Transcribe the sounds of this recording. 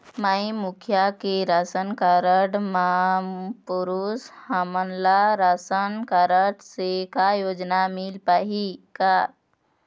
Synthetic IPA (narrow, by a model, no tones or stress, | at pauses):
maimukʰjakeɾasənkaɾəɽma | puɾushamənlaɾasənkaɾəɽsekajod͡ʒnamilpaɦika